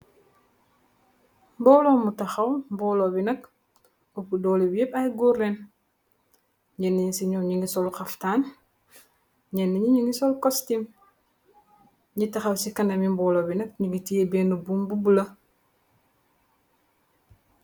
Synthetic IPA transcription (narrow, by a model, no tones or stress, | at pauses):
bɔːlɔmutɐxɐwmbɔlobinɐk̚ | upudɔːliwepɐjɡuɾen | ɲɛnːiɲisiɲɔɲiŋisɔlxɐftaːn | ɲɛnːiɲiɲiŋisɔlkɔstim | ɲitɐxɐwsikɐnɐmimbɔːlɔbinɐk̚ɲiɡitijebɛːnubumbubulɐ